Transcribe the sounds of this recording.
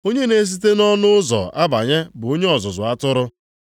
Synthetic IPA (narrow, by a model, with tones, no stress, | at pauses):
o˦ɲe˦ne˦s̬i˦te˦nɔ˦nʊ˦zɔ̰˨ʔa˦ba̰˨ɲe˦bʊ˨o˦ɲe˦ɔ˨zʊ˨zʊ˨a˦tʊ˦ɾʊ˦